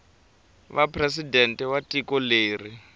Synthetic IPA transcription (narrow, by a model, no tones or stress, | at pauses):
βapʰrɛsidɛntʼɛwatʼikɔleːri